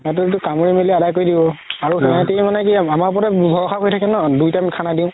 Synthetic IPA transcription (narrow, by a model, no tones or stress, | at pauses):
ɛt̬ʊetukamoɹimeliadajkoɹjdibɔaɹuɛtemanɛkiamaɹp̬ɔtɛbʱɔɹɔkʰakojtʰakɛnɔdujtamkʰanadĩʊ̃